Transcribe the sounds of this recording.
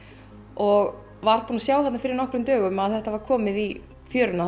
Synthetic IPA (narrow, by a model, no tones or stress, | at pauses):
ɔɣ | vaɾ̥punasjaːwhɛt̪nafɪɾɪɾnɔhkɾʏmt̪œːɣʏmaðθɛht̪avaɾ̥kʰɔːmɪði | fjœːɾʏna